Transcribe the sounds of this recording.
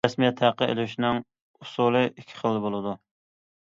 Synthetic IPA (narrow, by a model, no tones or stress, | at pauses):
ɛsmijɛt̪ʰːæqəḛlʃnɪŋ | usulˠɨʔikʲʰːi̥χəlˠːɨbolˠɨd̪u